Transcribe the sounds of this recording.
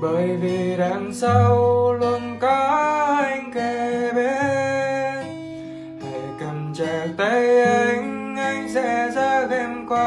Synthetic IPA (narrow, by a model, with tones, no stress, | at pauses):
ɓə˧˨jvi˨˩ɗaː˧˨˦ŋsa˧wlu˧nkɔ˨˦ha˧jŋ̟ke˧˩ɓe˨˧˦ | he˧˩kə˨˩mt͡ɕə˧˩t̪ə˧˦jə˧ŋa˧jŋ̟sɛ̰˧˥zaː˧xe˧mkwa˧